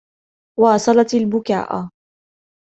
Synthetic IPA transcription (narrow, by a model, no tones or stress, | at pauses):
wɑːsˤɑlɑt̪albʊka̰ːʔ